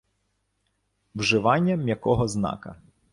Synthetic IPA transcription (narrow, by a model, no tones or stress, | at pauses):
wʒɪʋɑnʲːɐmjɐkɔɦɔznɑ̰kɐ̰